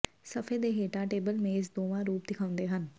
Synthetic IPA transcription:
səpʰed̪eːɦeːʈãːʈeːbəlmẽɪs̬d̪oːʋãːɾuːp̚d̪ɪkʰãːʊ̃nd̪eːɦən

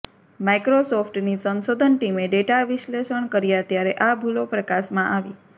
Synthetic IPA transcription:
majkɾosofʰʈnisənʃod̪ʱənʈimeɖeʈaʋɪʃleʃəɳkəɾjat̪jaɾeʔabʱulopɾəkaʃmãʔaʋi

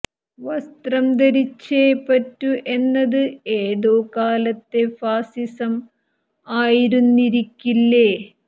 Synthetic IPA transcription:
ʋɐst̪rɐmd̪ɐɾit͡ɕːeːpɐtːuʔe̞nːɐðɨeːðo̞ːkaːlɐt̪ːe̞faːsisɐm | aːjiɾunːiɾikʲːilːe

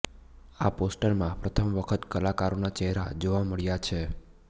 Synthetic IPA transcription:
aposʈəɾmãpɾət̪ʰəmʋəkʰət̪kəlakaɾonat͡ʃəɦɾa̰d͡ʒoʋaməɭjat͡ʃʰe

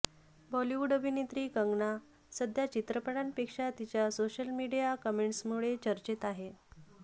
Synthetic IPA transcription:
bɔliʋuɖəbʱinet̪ɾiːkəŋɡɳa | səd̪ʱjat͡ɕit̪ɾəpəɽanpekʂat̪it͡ɕjasoɕəlmiɽijakəmeɳʈsmuɭet͡ɕəɾt͡ɕet̪aɦe

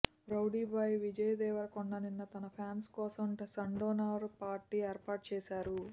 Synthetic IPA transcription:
ɾɐwɖiːbɐjʋid͡ʒɐjd̪ɛːʋɐɾɐkɔɳɖɐninːɐt̪ɐnɐpʰjaːnskɔːsɐmʈsɐɳɖoːnaːɐɾpaːɾʈːiːɛːɾpaːʈ̚t͡ʃɛːʃaːɾu

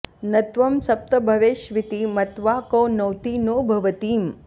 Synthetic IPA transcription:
nɐt̪ʋɐmsɐp̚t̪ɐbʱɐʋeːʃʋit̪imɐt̪ʋaːkoːnɐwt̪iːnoːbʱɐʋət̪iːm

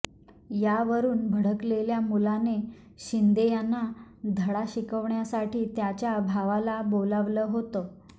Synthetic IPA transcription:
jaʋəɾuːnbʱəɽ̤əkleljamulane | ɕind̪ejanːad̪ʱəɽaɕikəʋɳjasaʈʰiːt̪jat͡ɕjabʱaʋalaboləʋləːɦot̪ə

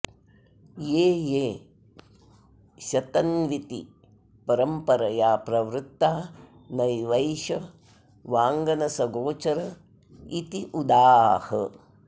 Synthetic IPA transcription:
jeːjeː | ʃɐt̪ɐnʋit̪ḭ | pɐɾɐmpɐɾɐjaːpɾɐʋɾut̪ːaː | nɐjʋɐjʃɐ | ʋaːŋɡɐnɐsɐɡoːt͡ʃɐɾɐ | it̪iʔud̪aːhɐ̰

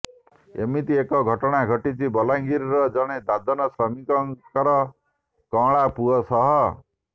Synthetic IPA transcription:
ḛmit̪iekɔɡʱɔʈɔɽ̃aɡʱɔʈit͡ʃʰibɔlaŋɡʱiɾɾɔd͡ʒɔɽ̃ed̪ad̪ɔnɔsɔmikɔŋkɔɾɔ | kɔ̃ɭapuɔsɔɦɔ

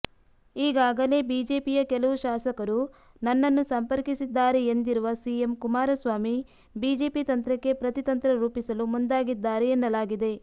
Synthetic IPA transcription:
iːɡaːɡɐle̞ːbiːd͡ʒe̞ːpijɐkɛlɐʋuʃaːsɐkɐɾu | nɐnːɐnːusɐmpɐɾkisid̪ːaːɾeend̪iɾuʋɐsie̞mkumaːɾɐsʋaːmi | biːd͡ʒe̞ːpit̪ɐnt̪ɾɐkːe̞pɾɐt̪it̪ɐnt̪ɾɐɾuːpisɐlumund̪aːɡid̪ːaːɾeenːɐlaːɡid̪e̞

